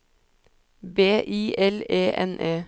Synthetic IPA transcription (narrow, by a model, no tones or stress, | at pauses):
beːʔiːʔɛleːʔɛ̰nʔeː